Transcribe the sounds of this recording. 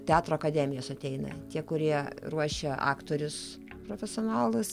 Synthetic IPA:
t̪ʲæːt̪ɾoːɐkɐd̪ʲæːmʲɪjoːsɐt̪ʲɛɪnɐ̰t̪ʲiɛkʊɾʲiɛruɔʃʲɛɑ̰ːkt̪oːɾʲʊs | pɾoːfʲɛsʲoːnɑːlˠʊs

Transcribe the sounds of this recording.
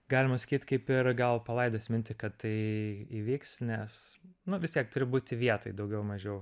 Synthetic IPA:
ɡɑːlʲɪmɐsɐ̥kʲiːt̪ʲkɐɪpɪrɡɐlˠpɐlˠɐɪd̪oːsʲmʲɪnʲt̪ʲɪkɐt̪ːɐɪiːʋʲiːksnʲɛsnʊʋʲɪst̪ʲiɛk̚t̪ʊɾʲɪbuːt̪ʲɪʋʲiɛt̪oːjd̪ɐʊɡʲɛʊmɐʒʲɛʊ

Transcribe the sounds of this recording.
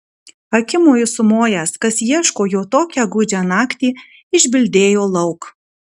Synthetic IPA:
ɐkʲɪmoːjʊsʊmoːjæːskɐsjiɛʃkoːjoːt̪oːkʲæɡʊd͡ʒʲænɑːkt̪ʲiː | ɪʒʲbʲɪlʲd̪ʲeːjoːlˠɐʊk

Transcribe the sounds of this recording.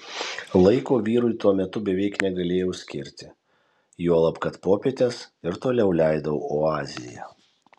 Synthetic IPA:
lˠɐɪkoːʋʲiːɾʊɪt̪uɔmʲɛt̪ʊbʲɛʋʲɛɪknʲɛɡɐlʲeːjɛʊsʲkʲɪɾʲt̪ʲɪ | juɔlˠɐpkɐt̪poːpʲet̪ʲesɪɾt̪oːlʲɛʊlʲæɪd̪ɐʋoːɑːzʲɪjɛ̰

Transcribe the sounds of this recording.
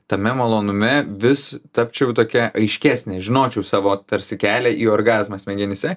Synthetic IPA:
t̪ɐmʲɛmɐlˠoːnʊmʲɛʋʲɪst̪ɐpʲt͡ʃʲɛʊt̪oːkʲɛʔɐɪʃʲkʲæːsʲnʲeːʒʲɪnoːt͡ʃʲɛʊsɑːʋoːt̪ɐɾʲsʲɪkʲæːlʲɛːʔiːoːɾɡɑːzmɐsmʲɛɡʲɪnʲɪsʲɛ

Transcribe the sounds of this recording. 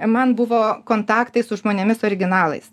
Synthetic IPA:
mɐnbʊʋoːkoːnt̪ɑːkt̪ɐɪsʊʒmoːnʲɛmʲɪsoːɾʲɪɡʲɪnɑːlˠɐ̰ɪs

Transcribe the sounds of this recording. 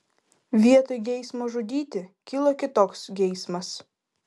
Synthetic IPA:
ʋʲiɛt̪ojɡʲɛɪsmoːʒʊd̪ʲiːt̪ʲɪkʲilˠokʲɪt̪oːksɡʲɛɪsmɐs

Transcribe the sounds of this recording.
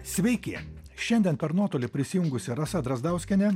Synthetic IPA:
sʲʋʲɛɪkʲeː | ʃʲɛnʲd̪ʲiɛnpʲɛɾnuɔt̪oːlʲɪpʲɾʲɪsʲɪjʊŋɡʊsʲɪɾɐsɐd̪ɾɐzd̪ɐˑʊsʲkʲɛnʲɛ

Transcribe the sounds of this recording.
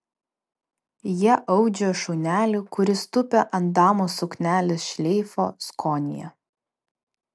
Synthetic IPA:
jiɛʔɐʊd͡ʒʲoʃɔʊnʲæːlʲukʊɾʲɪst̪ʊpʲɛʔɐnt̪d̪ɑːmoːsʊknʲæːlʲɪsʃʲlʲɛɪfo̰ːskʰɔːnʲɪ̰jɛ̰

